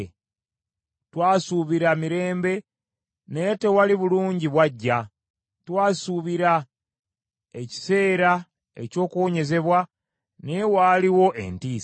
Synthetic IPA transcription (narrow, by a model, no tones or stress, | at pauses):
twaːsuβiɾamiɾe̞ːmbe̞ | ne̞te̞waliβuluːɲɟiβwaɟːa | twaːsuβiɾa | e̞ci̥se̞ːɾa | ḛco̞ːkuoɲe̞ze̞βwa | ne̞waːliwo̞ʔe̞̰ntiːs